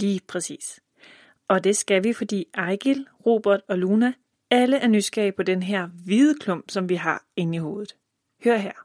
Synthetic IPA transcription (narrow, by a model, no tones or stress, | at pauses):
liːpʰʁɛsḭːs | ʔɒ̽d̥e̝sɡ̥æʋifɒ̽d̥ḭːɑ̈ɪɡ̥ilʁo̝̰ːb̥ɐɐd̥ɒ̽lunæ | æləʔæɐnysɡ̥ɛ̰ːɪpʰɒ̽d̥enɦeɐ̰ʋið̩ˠəkʰlɔ̽m̰b̥sɒ̽mʋiɦɑ̈e̝niho̝ːð̩ˠ | hø̰ɐɦæɐ̰